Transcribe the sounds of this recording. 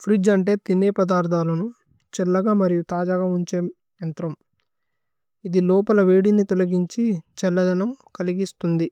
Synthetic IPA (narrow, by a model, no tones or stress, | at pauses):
pʰɾid͡ʒɐɳʈe̞ːt̪inːeːpɐd̪aːɾd̪ʰʱaːlɐnu | t͡ʃɛlːɐɡaːmɐɾijut̪aːd͡ʒaːɡaːuɲt͡ʃeːm | ɐnt̪ɾɐm | id̪ilɔːpɐlɐʋeːɽinit̪ɔlɐɡiɲt͡ʃit͡ʃɛlːɐd̪ɐnɐmkɐliɡist̪und̪i